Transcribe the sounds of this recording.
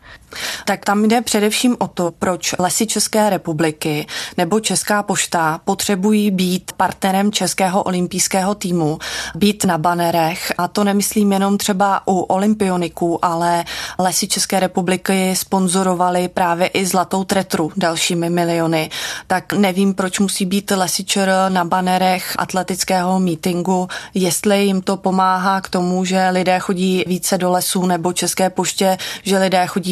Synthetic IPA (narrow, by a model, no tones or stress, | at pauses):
t̪akt̪amdɛpr̝̥ɛdɛfʃiːmʔo̞t̪o̞pɾo̞t͡ʃlɛsɪt͡ʃɛskɛːɾɛpublɪkɪnɛbo̞t͡ʃɛskaːpo̞ʃt̪apo̞t̪r̥ɛbujiːbiːt̪paɾt̪nɛɾɛmt͡ʃɛskɛːɦo̞ʔo̞lɪmpijskɛːɦo̞t̪iːmubiːt̪nabanɛɾɛxʔat̪o̞nɛmɪsliːmjɛno̞mt̪r̥ɛbaʔuʔo̞lɪmpɪo̞nɪkuːʔalɛlɛsɪt͡ʃɛskɛːɾɛpublɪkɪspo̞nzo̞ɾo̞valɪpɾaːvjɛʔɪzlat̪o̞wt̪ɾɛt̪ɾudalʃiːmɪmɪlɪo̞nɪt̪aknɛviːmpɾo̞t͡ʃmusiːbiːt̪lɛsɪt͡ʃɛɾnabanɛɾɛxʔa̰t̪lɛt̪ɪt͡skɛːɦo̞miːt̪ɪŋɡujɛst̪lɪjɪmt̪o̞po̞maːɦaːkt̪o̞muʒɛlɪdɛːxo̞ɟiːviːt͡sɛdo̞lɛsuːnɛbo̞t͡ʃɛskɛːpo̞ʃcɛʒɛlɪdɛːxo̞ɟiː